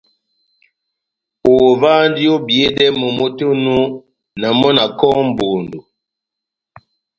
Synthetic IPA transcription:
o˨vaː˦n˦di˦o˦bje˨˦dɛ˦mə˨mo˦to˦nu˦ | na˨mɔ˦na˨kɔ˦m˨bo˨ndo˨

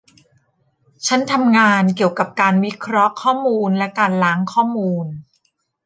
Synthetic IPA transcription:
t͡ɕʰa˦˥nt̪ʰa˧mŋaː˧nki˨˩əwka˨˩p̚kaː˧nwi˦˥kʰɾɔ˦˥ʔkʰɔː˥˩muː˧nlɛ˦˥kaː˧nlaː˩˦˥ŋkʰɔː˥˩muː˧n

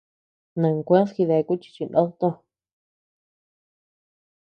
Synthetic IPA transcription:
nɨ̃˨ŋkʷẽ˦sxi˧ðe˧˨˧ku˦t͡ʃi̥˧t͡ʃi˧nʔõ˦t̪o˧

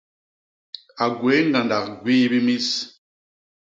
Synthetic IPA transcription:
a˨ɡwe˨˦ŋ˦ɡa˨nda˨kɡwiː˦bi˦mi˦s

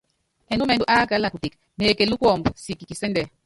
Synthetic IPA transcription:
ɛ˨nu˦mɛ˨du˨ʔa˦ka˨˦la˨ku˨ti˨k | neː˨ke˨lu˦kwɔ˨mbsi˨ki˨ki˨sɛ˦ndɛ˨

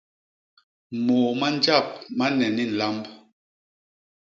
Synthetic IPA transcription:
moː˨ma˦nd͡ʒa˦˨p̚ma˦nɛ˨ni˦n̩˨la˦mb

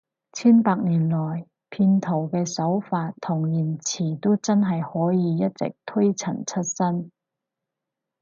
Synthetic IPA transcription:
t͡sʰiː˥npaː˧k̚niː˨˩nlɔː˨˩j | pʰiː˧nt̪ʰo˨˩wkɛː˧sɐ˨˥wfaː˧t̚t̪ʰʊ˨˩ŋjiː˨˩nt͡sʰiː˨˩t̪o˥wt͡sɐ˥nɦɐ˨jhɔː˨˥jiː˨˧jɐ˥t̚t͡sɪ̰˨k̚t̪ʰɵ˥jt͡sʰɐ˨˩nt͡sʰɵ˥t̚sɐ˥n

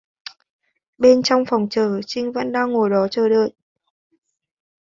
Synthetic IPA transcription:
ɓe˧nt͡ɕɔ˧wŋ͡mfɔ˨˩wŋ͡mt͡ɕəː˧˩t͡ɕï˧ŋ̟və̰˧˥nɗaː˧ŋːo˨˩jɗɔ˨˦t͡ɕəː˨˩ɗəː˧˨j̚

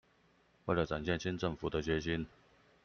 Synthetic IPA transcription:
we˥˩lə˨˩ʈ͡ʂa˨˩nɕjɛ˥˧nɕi˥nʈ͡ʂə˥˩ŋfu˨˩d̪ə˦t͡ɕɥɛ˧˥ɕi˦˥n

